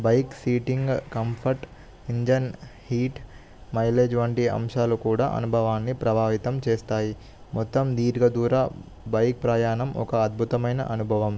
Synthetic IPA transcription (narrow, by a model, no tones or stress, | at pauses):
bɐjksiːʈiŋɡkɐmpʰɐɾʈ | iɲd͡ʒɐnhiːʈ | mɐjleːd͡ʒʋɐɳʈiɐ̰mʂaːlukuːɽa̰ːʔɐ̰nubʱɐʋaːnːipɾɐbʱaːʋit̪ɐmt͡ʃeːst̪aːji | mɔt̪ːɐmd̪iːɾɡɐd̪uːɾaː | bɐjk̚pɾaːjaːnɐmʔɔ̰kɐːd̪̚bʱut̪ɐmɐjnɐ̰ʔɐnubʱɐʋɐm